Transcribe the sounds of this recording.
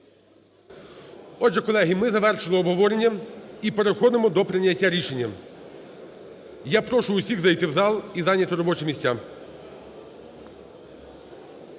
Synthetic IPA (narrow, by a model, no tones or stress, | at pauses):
ɔdʒɛkɔlˠɛɦimɪzɐʋɛrʃɪlˠɪɔbɦɔʋɔɾenʲːɐipeɾexɔd̪ɪmɔd̪ɔpɾɪnʲːɐtʲːaɾʲiʃenʲːɐ | japɾɔʃʊʊsʲiɣzɐjt̪ɪwzɑlˠizɑnʲːɐt̪ɪɾɔbɔt͡ʃɪmʲisʲtʲa